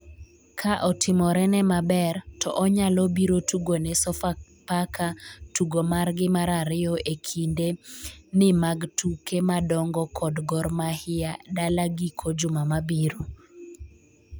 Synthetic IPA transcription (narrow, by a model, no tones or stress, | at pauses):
kʰaʔɔtʰɪmɔɾɛnɛmabɛrtʰɔʔɔɲalɔbiɾotuɡonɛsɔfa | pakʰatuɡomarɡɪmaɾaɾɪɔʔekʰindenɪmaɡtukemadɔŋɡɔkʰɔdɡɔɾmahɪadalaɡikʰod͡ʒʊmamabiɾo